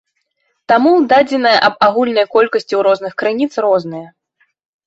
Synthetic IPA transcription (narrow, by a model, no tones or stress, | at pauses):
t̪amud̪ad͡zʲɛnɐjɐʔɐbaɣulʲnɐjkɔlʲkɐsʲt͡sʲiwɾɔznɨxkɾɨnʲit̪srɔzn̪ɨjɐ